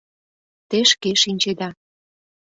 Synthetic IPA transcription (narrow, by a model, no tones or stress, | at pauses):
t̪eʃkeʃinʲt͡ɕed̪ɑ